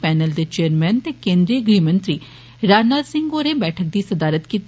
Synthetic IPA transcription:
pɛːnəld̪eːt͡ʃeːəɾmɛːnt̪eːkẽːnd̪ɾiːɡɾiːmə̃nt̪ɾiː | ɾaːd͡ʒnaːd̪sɪ̃ŋɡoːɾeːbɛːʈʰək̚d̪iːsəd̪aːɾət̪kiːt̪

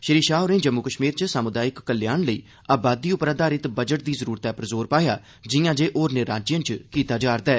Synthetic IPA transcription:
ʃəɾiːʃaːɦoɾẽːd͡ʒəmːukəʃmiːɾt͡ʃəsaːmʊd̪aːjɪkːəljaːnləḭː | aːbaːd̪iːʊpɾaːd̪aːɾɪt̪bəd͡ʒəʈ̚d̪iːzəɾuːɾət̪ɛːpɾəzoːɾpaːjaː | d͡ʒɪjãːd͡ʒeːʔoːɾnɪɾaːd͡ʒjənt͡ʃkiːt̪aːd͡ʒaːɾd̪aː

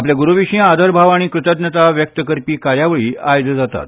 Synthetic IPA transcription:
apljaɡuɾuʋiɕĩad̪ʱəɾbʱaʋaɽ̃ĩkɾɨt̪əd̪nət̪aʋjək̚t̪əkəɾpiːkaɾjaʋəɭiːajd̪d͡zat̪a̰t̪

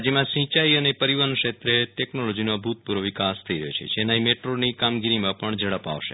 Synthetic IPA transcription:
d͡ʒemãsĩt͡ʃaiənepəɾiʋənkʃet̪ɾeʈɛknolod͡ʒinobʱut̪̚puɾʋoʋikast̪ʰəiɾəɦjo̰t͡ʃʰḛd͡ʒenaimeʈɾonikamɡiɾimãpəɳd͡ʒəɽəpa̰ʋʃḛ

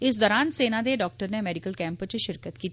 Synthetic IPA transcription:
ɪsd̪ɔːɾaːnseːnãːd̪eːɖɔːk̚ʈəɾneːmɛːɖɪkəlkɛ̃ːmpət͡ʃəʃɪɾkət̪kiːt̪

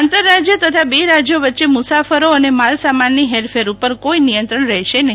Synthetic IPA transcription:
ant̪əɾːad͡ʒjət̪ət̪ʰabeɾad͡ʒjoʋətːʃemusafəɾoənemalsamanːiɦelfʰeɾupəɾkoinijənt̪ɾəɳɾəɦiʃene

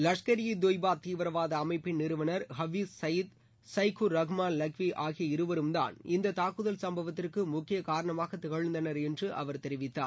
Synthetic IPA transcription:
lɐʂkɐɾɪjɐd̪oːjbaːt̪iːʋɪɾɐʋaːðɐːmɐɪpːɪnːɪɾɯʋɐnɐɾɦɐʋissɐjɪt̪ | sɐɪkʊɾɐɣmaːnlɐkʋiʔaːɣɪjɐɪɾɯʋɐɾɯmd̪a̰ːnɪnd̪ɐt̪aːkɯðɐlsɐmbɐʋɐt̪ːɪrkɯmʊkːɪjɐkaːɾɐɳɐmaːɣɐt̪ːɪɣɐɻɯnd̪ɐnɐɾɛndrɯʔɐ̰ʋɐɾt̪ɛɾɪʋɪt̪ːa̰ː

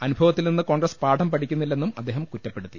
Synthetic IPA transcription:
ɐnubʱɐʋɐt̪ːilninːɨko̞ːŋɡɾɐspaːʈʰɐmpɐʈʰikʲːunːilːe̞nːumɐd̪ːe̞ːɦɐmkutːɐpːeɽut̪ːi

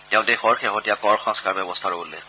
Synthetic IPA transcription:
tɛʊ̃dɛxɔɹxɛɦɔtijakɔɹxɔ̃ŋskaɹbɛbɔstʰaɹobolɛ

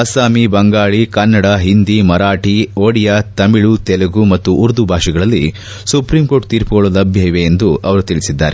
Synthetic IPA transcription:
ɐsaːmibɐŋɡaːɭikɐnːɐɽaɦind̪imɐɾaːʈioːɽijat̪ɐmiɭut̪ɛlɐɡumɐt̪ːuʔːɾd̪ubʱaːʂiɡɐɭɐlːi | supɾimko̞ːʈ̚t̪iːɾpɐɡɔɭɐlɐbʱjɐjʋeend̪uɐʋɐɾut̪iɭisid̪ːaːɾe

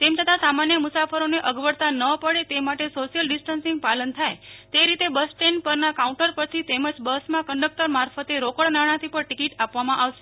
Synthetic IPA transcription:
t̪emt͡ʃʰət̪ãsamanjəmʊsafəɾoneʔəɡʋəɽt̪anəpəɽet̪emaʈesoʃijəlɖɪsʈənsĩŋɡ̚palənt̪ʰajt̪eɾit̪ebəsʈenpəɾnakaũɳʈəɾpəɾt̪ʰit̪eməd͡ʒbəsmãkəɳɖək̚t̪əɾmaɾfət̪eɾokəɭnaɽ̃ãt̪ʰipəɳʈikiʈapʋamãʔaʋʃe̥

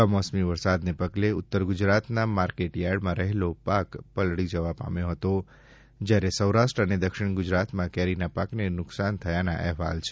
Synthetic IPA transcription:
amɔsmiʋəɾsad̪nepəɡleʊt̪ːəɾɡʊd͡ʒɾat̪namaɾkeʈjaɾɖmãɾəɦelopakpəlɽid͡ʒəʋapa̰mjõɦət̪o | d͡ʒjaɾesəwɾaʃʈɾəned̪əkʃɪɳ̃ɡʊd͡ʒɾat̪mãkɛɾinapaknenʊksant̪ʰəjanaʔɛɦʋa̰lt͡ʃʰe̥

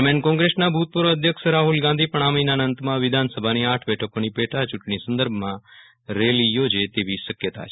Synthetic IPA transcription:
menkɔ̃ŋɡɾesnabʱut̪̚pəɾoəd̪ʱjəkʃɾaɦulɡãnd̪ʱipəɳ̃aminanənt̪mãʋɪd̪ʱansəbʱaniaʈʰbɛʈʰəkonipɛʈʰat͡ʃʊʈɳisə̃nd̪əɾbʱmã | ɾelijod͡ʒet̪eʋiʃəkjət̪a̰t͡ʃʰe

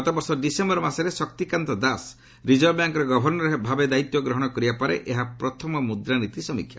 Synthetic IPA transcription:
ɔt̪abɔɾsɔɖisembɔɾɔmaseɾesɔk̚t̪ikant̪ɔd̪as | ɾid͡ʒɔbjaŋkɔɾeɡɔbʱɔɾnɔɾebʱabed̪ait̪jɔɡɾɔɦɔɽ̃ɔkɔɾibapaɾḛʔeɦapɾɔt̪ʰɔmɔmud̪ɾanit̪isɔmḭkʰːja̰

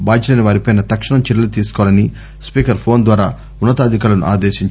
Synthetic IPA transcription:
baːd͡ʒɐlɐniʋaːɾipɐjnɐt̪ɐkʂɐɳɐmt͡ʃiɾɐlut̪iːsu̥kɔʋɐlɐni | spiːkɐɾpʰo̞ːnd̪ʋaːɾaː | unːɐt̪aːd̪ikaːlɐnṵʔa̰ːd̪eːʃiɲt͡ʃ

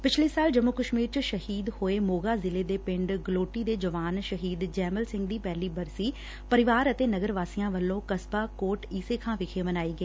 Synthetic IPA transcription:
pɪt͡ʃʰleːsaːld͡ʒəmːʊkəʃmiːɾt͡ʃʃəhiːd̪hoːeːmoːɡaːzɪleːd̪eːpɪ̃ɳɖɡloːʈiːd̪eːd͡ʒəʋaːnʃəɦiːd̪d͡ʒɛːməlsɪ̃ŋɡd̪iːpɛːliːbəɾsiː | pəɾɪʋaːɾət̪eːnəɡəɾʋaːsijãːʋəlːõːkəsbaːkoːʈiːseːkʰãːʋɪkʰeːmənaːiːɡəeː

